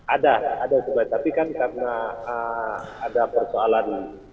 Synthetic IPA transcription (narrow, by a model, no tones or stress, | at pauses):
adaadasəbajt̪apikankarənaəadapərsoalan